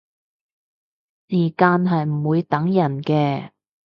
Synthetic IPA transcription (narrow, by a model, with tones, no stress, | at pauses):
siː˨˩kaː˧nɦɐ˨jm̩˨˩wuː˨˧jt̪ɐ˨˥ŋjɐ˨˩nkɛː˧